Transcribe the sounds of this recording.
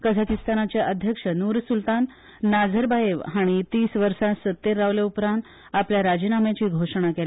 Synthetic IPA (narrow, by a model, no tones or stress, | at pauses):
kəd͡zʱakist̪anat͡ɕjaʔəd̪ʱjəkʂənuːɾsult̪anː | ad͡zʱəɾbajeʋɦaɽ̃it̪iːsʋəɾsasət̪ːeɾːaʋleupɾãnt̪ | apljaɾad͡ʑinamjat͡ɕiːɡʱoʂɽ̃akel